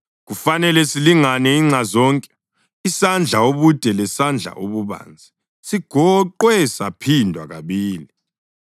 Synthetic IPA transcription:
ɣufanɛlɛsiliŋanɛiŋ͡ǁazɔːŋkʼɛ̥ | isand͡ɮʱaoβud̥ʼʱɛlɛsand͡ɮʱa̰ʔoβuβa̰ːnd͡zʱi | siɡ̥ʱɔǃwɛsapʰindʱwaɣaβiːli

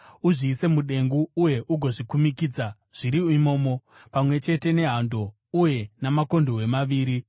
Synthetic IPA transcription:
uʐiːse̞muɗe̞ŋɡuːje̞ʔuɡʱo̞ʐikumikiːd͡za | ʐ̥iɾiimo̞ːmo̞ | pamwe̞t͡ʃe̞te̞ne̞ɦando̞ | uje̞namako̞ndowe̞maʋiːɾi

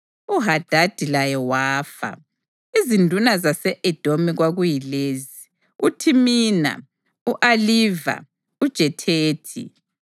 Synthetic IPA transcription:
uɦad̥ʱad̥ʱilajɛwaːfa̰ | izindʱunazasɛʔɛd̥ʱomiɣwaɣujileːzi | utʰimiːna̰ | uʔaliːva̰ | ud̥ʒ̥ʱɛtʰeːtʰḭ

